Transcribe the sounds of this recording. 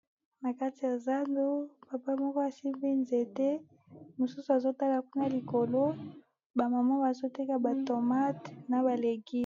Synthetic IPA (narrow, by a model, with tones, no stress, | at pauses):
na˨ka˦ti˨ja˨za˦ndo˦pa˨pa˦mɔ˦kɔ˦a˨si˦mbi˦nze˨te˦ | mo˨su˦su˨a˨zo˦ta˦la˨ku˦na˦li˨ko˨lo˦ | ba˨ma˨ma˦ba˨zo˦te˦ka˨ba˨to˨ma˦tna˨ba˨le˨ki˦